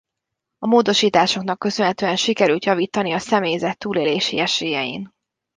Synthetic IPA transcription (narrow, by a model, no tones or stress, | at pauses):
ɒmoːd̪o̞ʃiːt̪aːʃo̞knɒkːø̞sønɦɛt̪øːɛnʃikɛɾylt̪jɒviːt̪ɒniɒsɛmeːjzɛt̪ːuːleːleːʃḭɛʃeːjɛjḭn